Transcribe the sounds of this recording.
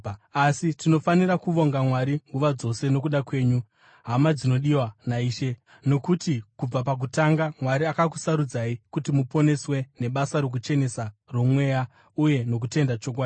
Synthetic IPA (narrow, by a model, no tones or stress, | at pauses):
asitino̞faniɾakuʋo̞ŋɡamwaɾiŋɡuʋad͡zo̞se̞no̞kuɗakwe̞ːɲu | ɦamad͡zino̞ɗiwanaiːʃe̞ | no̞kutikub͡vapak̬utaŋɡamwaɾiakaku̥saɾud͡zaikutimupo̞ne̞swe̞ne̞ɓasaɾo̞k̬ut͡ʃe̞ne̞saromwe̞ːja | uje̞no̞k̬ute̞ndat͡ʃok̬waːi